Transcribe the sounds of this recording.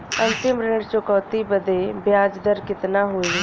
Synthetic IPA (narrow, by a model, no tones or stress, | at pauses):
ənt̪ɪmɾɪɖt͡ʃokɔːt̪iːbəd̪eːbjaːd͡ʒd̪əɾkɪt̪naːɦoːiː